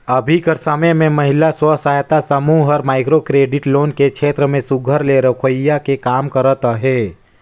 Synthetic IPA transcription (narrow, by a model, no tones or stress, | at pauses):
ɐbʱikəɾsəmemẽmɐɦɪlaswəsaːjt̪asəmuɦəɾmaːɪkɾokɾeːɖɪʈloːnkekʃʰeːt̪ɾəmẽsʊɡʱəɾleɾəkʰojakekaːmkəɾət̪ɦɛː